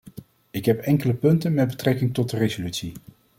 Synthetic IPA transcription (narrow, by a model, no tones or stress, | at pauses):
ɪkɦɛpɛŋkələpɵntənmɛd̚bətrɛkɪŋtɔt̚dərezolytsi